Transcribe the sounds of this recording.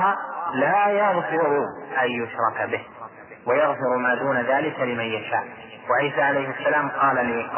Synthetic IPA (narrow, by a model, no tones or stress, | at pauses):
alaːjɑɣfɪɾʊʔanjʊʃɾˤɑkbɪh | wajɑɣfɪɾmaːd̪uːnaðaːlɪkalɪmanjaʃa̰ːʔ | waʕiːsaːʕalajhɪasːalaːmqɑːlaliːq